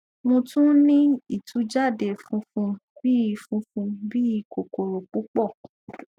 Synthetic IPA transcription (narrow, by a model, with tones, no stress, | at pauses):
mõ˧tũ˦nĩ˦i˦˨tʰu˨˦d͡ʒa˦˨de˨fũ˧˦fũ˧bi˦i˧fũ˧fũ˧bi˦i˧ko˨ko˨ɾo˨k͡pu˨˦k͡pɔ˦˨